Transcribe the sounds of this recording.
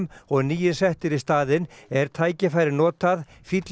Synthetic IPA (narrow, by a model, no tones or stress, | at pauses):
mɔɣniːjɪnsɛht̪ɪɾist̪aːðɪnɛɾ̥t̪ʰaːjcɪfajɾɪnɔːt̪að | fit̪l